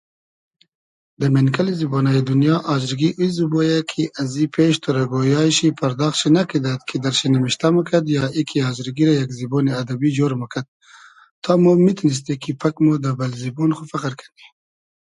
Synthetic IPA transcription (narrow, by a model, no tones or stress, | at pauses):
d̪əmenkalizibonajid̪unjɑːʔɑːzɾɡiʔuizubojakʰiʔazipʰeːʃt̪ʰoɾaɡojɑːjɕipʰɐɾd̪ɑːxʃinakid̪at̪kʰid̪aɾʃinamiʃt̪aməkad̪jɑːikʰiɑːzɾɡiɾajakziboːniad̪abid͡ʒoɾmɐkʰad̪̚ | t̪ʰɑmomit̪nis̬t̪ekipʰakmod̪əbalziboːnxufaqəɾkʰani